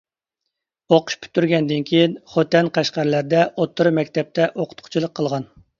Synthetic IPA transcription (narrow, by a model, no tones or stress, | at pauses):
oqʰʊ̥ʃpʰy̥t̪ʰːyɾɡʲɛnd̪ɪnkʲʰejinχot̪ɛnqʰæʃqæɾlæɾd̪ɛʔot̪ʰːʊɾmɛkʲt̪ʰɛp̚t̪ʰɛʔoqʰʊ̥t̪qʰʊ̥t͡ʃʰilˠəqʰːəlˠʁɑn